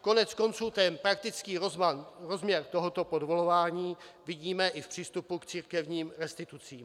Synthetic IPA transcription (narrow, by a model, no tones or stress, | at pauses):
ko̞nɛt͡sko̞nt͡suːt̪ɛnpɾak̚t̪ɪt͡skiːɾozanɾozmɲɛɾt̪o̞ɦo̞t̪o̞podvolovaːɲiːvɪɟiːmɛʔɪfpr̥iːst̪upukt͡siːɾkɛvɲiːmɾɛst̪ɪt̪ut͡siːm